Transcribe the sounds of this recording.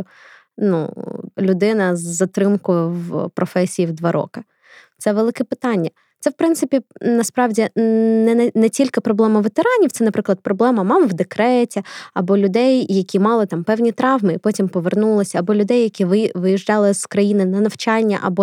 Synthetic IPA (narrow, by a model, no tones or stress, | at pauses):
nṵlʲʊd̪ɪnɐzːɐt̪ɾɪmkʊjʊwpɾɔfɛsʲijiwd̪ʋɑɾʔɔ̰kɐ | t̪sɛʋelˠɪkɛpɪt̪ɑnʲːɐ | t̪sɛwpɾɪnt̪sɪpʲinɐspɾɑwdʲinɛnɛtʲilʲkɪpɾɔblˠɛmɐʋet̪eɾɑnʲiwt̪sɛnɐpɾɪklˠɐd̪̚pɾɔblˠɛmɐmɑmwd̪ekɾɛtʲiɐbɔlʲʊd̪ɛjːɐkʲimɑlˠɪt̪ɑmpɛwnʲit̪ɾɑʋmɪipɔtʲimpɔʋernulˠɔsʲɐːbɔlʲʊd̪ɛjːɐkʲiʋɪʋɪjiʒd͡ʒɑlˠɪzkɾɐjinɪnɐnɐwt͡ʃɑnʲːɐ̰ʔɐ̰bɔ